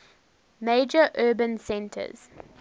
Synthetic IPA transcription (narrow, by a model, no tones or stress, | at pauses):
meɪd͡ʒəʔɜːbə̃nsɛ̃ntʰə̰z̥